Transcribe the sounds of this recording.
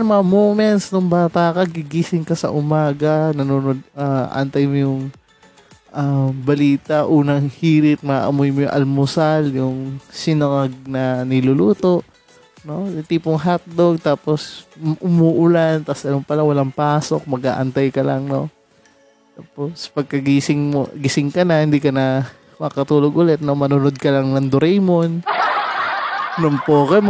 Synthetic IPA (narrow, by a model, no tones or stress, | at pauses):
nɐmɐŋɐmowmɛnt̪snʊŋbaːt̪aːkɐɡɪɡiːsɪŋkɐsɐ̰ʔʊmaːɡɐnɐnuːnod̪̚aʔɐ̰nt̪ɐjmojʊŋ | ʔabɐliːt̪ɐʔuːnɐŋhiːɾɪt̪̚maʔɐmojmojʊŋʔɐ̰lmʊsaljʊŋsɪnɐŋɐɡ̚nɐnɪlʊluːt̪o̞ʔ | no̞ɪt̪iːpoŋɦat̪̚loɡ̚t̪aːpo̞sʔʊmuːʔʊlant̪ɐsʔɐlompɐlawɐlaŋpaːso̞k̚mɐɡʔa̰ːʔɐnt̪ajkɐlɐŋno̞ | t̪aːpospɐɡ̚kɐɡisɪŋmo̰ɡɪsɪŋkɐnahɪnd̪iːkɐnɐ | mɐkɐt̪uːloɡʔʊlɛt̪̚nomɐnʊnod̪̚kɐlɐŋnɐŋd̪ʊɾɛjmon | nʊmpoːkɛm